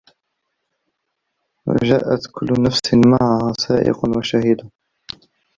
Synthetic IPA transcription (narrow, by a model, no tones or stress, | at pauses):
wa̰ʒaːʔat̪kʰʊlːnafsmaʕahaːsaːʔɪ̰qwaʃahɪd̪a